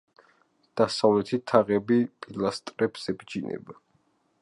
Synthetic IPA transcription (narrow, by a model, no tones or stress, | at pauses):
d̪̥asavlɛt̪ʰit̪ʰaʁɛbipʼilˠast̪ʼɾɛpsɛbd͡ʒinʔɛ̰ba